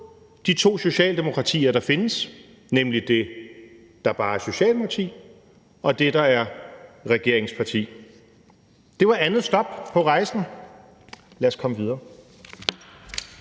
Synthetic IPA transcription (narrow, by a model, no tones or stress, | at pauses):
d̥it͡sʰo̝̰ːso̝ɕɛ̰ːld̥e̝mo̝kʰʁɑ̈t͡sʰḭːɐɾ̥ɑ̈fe̝nəs | nemlid̥e̝ | d̥ɑ̈æɐb̥ɑ̈ːæɐso̝ɕɛ̰ːlpʰɑ̈t͡sʰḭː | ɒ̽d̥e̝d̥ɑ̈æɐʁɛɡ̥e̝ɐ̰eŋspʰɑ̈t͡sʰḭː | d̥e̝ʋɑ̈ʔænð̩ˠsd̥ɒ̽b̥̚pʰɒ̽ʁɑ̈ɪsn̩ | læɐskʰɒ̽məʋið̞ˠɐː